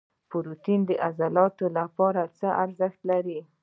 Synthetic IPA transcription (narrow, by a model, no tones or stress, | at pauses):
pʊɾut̪ind̪əʔazalɑt̪olapɑɾat͡səʔaɾzəxt̪laɾi